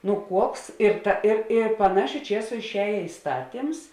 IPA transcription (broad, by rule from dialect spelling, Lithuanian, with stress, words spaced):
nʊ ˈkuɔks ɪr ˈtɐ ɪr ɪ pɐˈnɑːʃʲʊ ˈt͡ʃʲiɛsʊ ɪʃʲˈɛːjeː ɪˈstɑːtʲɪms